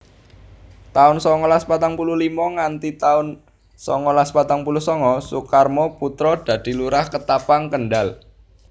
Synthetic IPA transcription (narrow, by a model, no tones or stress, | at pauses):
t̪aʊnsɔŋɔlaspat̪aŋpuluhlimɔŋant̪it̪aʊn | sɔŋɔlaspat̪aŋpuluhsɔŋɔsukarmɔput̪ɾɔd̪̥ä̤d̪̥i̤luɾahkət̪apaŋkənɖal